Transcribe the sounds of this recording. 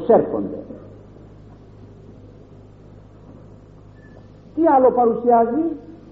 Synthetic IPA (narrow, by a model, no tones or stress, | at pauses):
serko̰nd̪ḛ | t̪ialopaɾusiazi